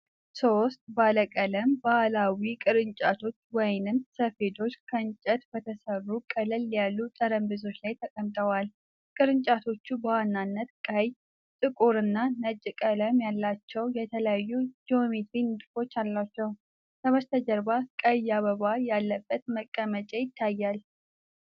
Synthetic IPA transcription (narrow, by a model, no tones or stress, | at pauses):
so̞st̪ʼbaləkʼələmbaʔlawikʼɨɾɨnt͡ʃʼat̪ʰo̞t͡ʃːwɔjnɨnsəfe̞d̪o̞t͡ʃːkʰənt͡ʃʼət̪bət̪ʰəsərːukʼələlːijalːut̪ʼəɾəmbɨzo̞t͡ʃːlajt̪ʰəkʼəmt̪ʼəwal | kʼɨɾɨɲt͡ʃʼat̪ʰo̞t͡ʃːubəwanːanːət̪kʼəj | t̪ʼɨkʼuɾɨnːanət͡ʃʼːɨkʼələmjalːat͡ʃːɛwjɛt̪ʰələjajːud͡ʒomet̪inɨt̪ʼfo̞t͡ʃːalːat͡ʃːɛw | sʰəβəst̪ʰəd͡ʒəɾbakʼəjːaβəβajalːəbːət̪məkʼːəmət͡ʃʼɛjɪt̪ʰːajːal